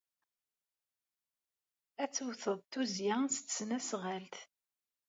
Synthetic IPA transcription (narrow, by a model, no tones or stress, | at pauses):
æt͡sːwθəðˤt̪uzjast̪ːsnæsʁælt̪